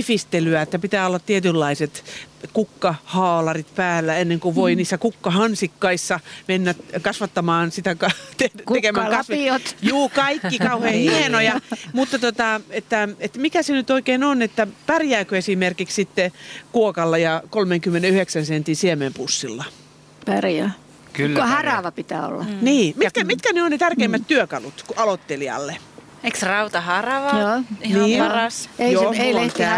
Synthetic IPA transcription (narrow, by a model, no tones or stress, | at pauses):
fist̪elyæet̪ːæpit̪æːolːɑt̪t̪iet̪ylːɑiset̪kukːɑhɑːlɑrit̪pæːlːæenːeŋkuʋʋoiniːsːækukːɑhɑnsikːɑisːɑmenːækɑsʋɑt̪ːɑmɑːnsit̪ækɑt̪etk̪ekemæːkɑsʋiot̪juːkɑikːikɑuheːhienojɑmut̪ːɑt̪ot̪ɑet̪ːæet̪mikæsenyt̪oikeːnonet̪ːæpærjæːkøesimerkikssit̪ːekuokɑlːɑjɑkolmeŋkymːeneyheksænsent̪insiemempusːilːɑ | pærjæ | klːohɑrɑʋɑpit̪æ̰ːo̰lːɑniːmit̪kæmit̪kæneonnet̪ærkeimːæt̪t̪yøkɑlut̪kɑlot̪ːeliɑ̰lːe | eksrɑut̪ɑhɑrɑʋɑjoːniːpɑrɑsejoːet̪æ